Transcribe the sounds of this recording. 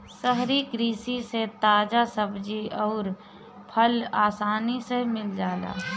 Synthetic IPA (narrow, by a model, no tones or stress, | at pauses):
səɦɾikɾiːsiset̪aːd͡ʒasəbʱd͡ʒiɔːɾ | pʰəlaːsaːnisemɪld͡ʒaːla̰ː